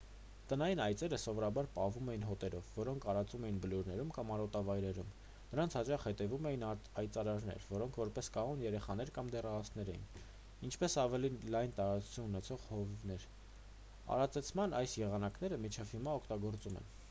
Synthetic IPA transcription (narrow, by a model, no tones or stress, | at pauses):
t̪ənɑjinɑjt͡sɛɾəsɔvɔɾɑbɑɾpɑhvumɛjinɦɔt̪ɛɾɔvːɔɾɔŋkʰɑɾɑt͡sumɛjinbəluɾnɛɾumkɑmɑɾɔt̪ɑvɑjɾɛɾum | nəɾɑnt͡sʰhɑt͡ʃɑχhɛt̪ɛvumɛjinɑɑjt͡sɑɾɑɾnɛ̰ɾvɔɾɔŋkʰvɔɾpɛskɑʁunjɛɾɛχɑn̪ɛɾkɑmd̪ɛrɑɑsnɛɾɛ̰jḭn | int͡ʃʰpɛsɑvɛlilɑjnt̪ɑɾɑt͡su̥t͡sʰununɛt͡sʰɔʁhɔvnɛɾ | ɑ̰ɾɑt͡sɛt͡sʰmɑnɑjsjɛʁɑnɑkn̪ɛɾəmit͡ʃʰɛvhimɑɔkʰt̪ɑɡɔɾt͡sumɛ̰n